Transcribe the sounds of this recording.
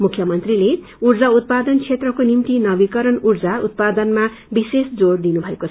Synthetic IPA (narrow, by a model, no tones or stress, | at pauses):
mukʰjʌmʌnt̪rile | urd͡zaut̪̚pad̪ʌnt͡sʰet̪rʌkonimt̪inʌbikʌɾʌnurd͡zaṵt̪̚pad̪ʌnma | bisesd͡zord̪inubʱʌekot͡sʰ